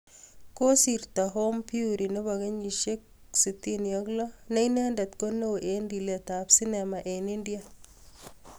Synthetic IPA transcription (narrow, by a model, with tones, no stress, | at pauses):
ko˦si˨ɾt̪a˨ɦo˦mpi˦uɾi˨no˦βa˨ɡɐ˦ɲi˨ʃe˦k̚ | si˨tːi˦njɔklɔ˦ne˦ine˦nda˨t̪ko˦no˦wʔe˨ndi˨le˨t̪a˨psi˦ne˨ma˨ʔe˨ni˦ndi˦a˨